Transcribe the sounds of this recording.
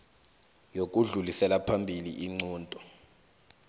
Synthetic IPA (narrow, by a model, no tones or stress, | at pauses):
jok̬ʼuɮulisɛlapʰambʱilḭʔiŋ͡ǀuːntʼɔ